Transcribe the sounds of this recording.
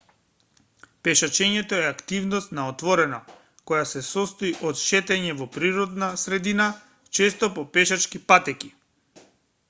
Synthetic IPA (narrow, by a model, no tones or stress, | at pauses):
pɛʃat͡ʃɛɲɛt̪oɛakt̪ivnɔst̪naɔt̪vɔɾɛnɔ | kɔjasɛsɔst̪oiʔɔt̪ʃɛt̪ɛɲɛvɔpɾiɾɔd̪nasɾɛd̪ina | t͡ʃɛst̪opɔpɛʃat͡ʃkipat̪ɛkʲi̥